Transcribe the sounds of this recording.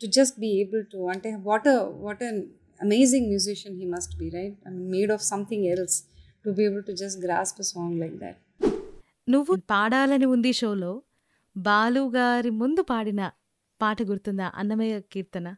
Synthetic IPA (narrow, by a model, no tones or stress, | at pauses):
ʈud͡ʒɐsʈ̚biːeːbəlʈuɐ̃ɳʈeʋɔːʈɐʋɔːʈɐ̃n | ɐmeːzɪ̃ŋmjuːzɪʃɐ̃nɦiːmɐsʈbiːɾaɪʈ̚meːɖɔːfsɐ̃mt̪ʰɪ̃ŋɛlsʈubieːbəlʈud͡ʒɐs̬ʈɡɾa̰ːspɐsɔ̃ːŋlaɪk̚d̪æ̰ʈ̚ | nuʋːunpaːɽaːlɐniund̪iʃoːlo̞ː | baːluːɡaːɾimund̪upaːɽinɐ | paːʈɐɡuɾut̪und̪aʔɐ̰nːɐmɐjɐkiːɾt̪ɐnɐ